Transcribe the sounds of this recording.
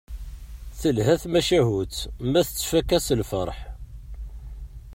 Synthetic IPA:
θəlɦæθmæʃæɦut̪mæθət͡sːfækːæsəlfəɾˤħ

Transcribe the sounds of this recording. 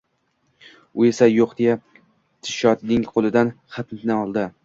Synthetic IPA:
ʊe̞sajoqd̪eja | t̪ʰɪ̥ʃɒt̪nɪŋqʰolˠɪd̪anχɑt̪nnɪɒlˠd̪ɪ

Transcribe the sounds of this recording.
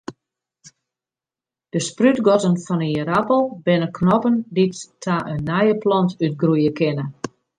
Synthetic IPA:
d̥əsprytɡɔtənfɔnəəɾapəlˠbɪnəkʰnɔpənditːʰaʔənːajəplɔntyt̚ɡrujəkɪnə

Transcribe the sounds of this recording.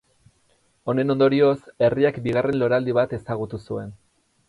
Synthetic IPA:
o̞ne̞no̞nd̪o̞ɾio̞se̞riakbiɣ̞are̞nlo̞ɾald̪iβ̞at̪e̞saɣ̞ut̪usue̞n

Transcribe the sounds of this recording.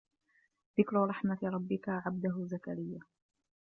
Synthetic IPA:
ðɪkɾʊɾˤɑħmat̪ɾˤɑbːɪkaʕab̚d̪aɦʊzakaɾɪjːa

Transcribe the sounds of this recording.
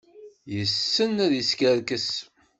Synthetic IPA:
jəsːənæðəskæɾkəs

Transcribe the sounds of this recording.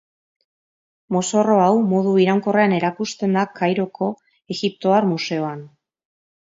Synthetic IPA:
moso̞ro̞awmo̞ðuiɾawŋko̞reane̞ɾakust̪e̞nd̪akʰajɾo̞kʰo̞ | e̞ɣip̚t̪o̞aɾmuse̞o̞an

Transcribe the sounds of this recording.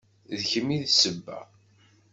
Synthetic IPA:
ðçəmiðsəbːæ̰

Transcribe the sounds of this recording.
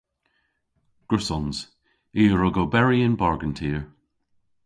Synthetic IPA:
ɡ̥ɹɪsɔnz̥ | iːəɹɔɡobɛɹiɪ̃nbaɹɡəntʰiːəɹ

